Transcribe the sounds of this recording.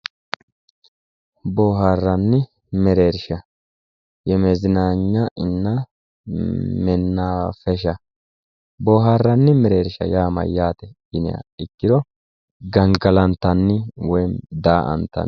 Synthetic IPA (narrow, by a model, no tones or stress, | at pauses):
boːɦaːrːɐnːɪ | mɛɾeːɾʃɐ | jɛmɛzɪnaːɲːɐʔɪnːɐ | mɛnːafɛʃɐ | boːɦaːrːɐnːɪmɛɾeːɾʃɐ̰jaːmɐ̰jːaːt̪ɛ | ɪnɛ̰ɐ̰ɪkːɪd̪ɔ | ɡɐŋɡɐlɐnt̪ːɐnːɪwɔjd̪aːʔɐ̰nt̪ːɐ̰n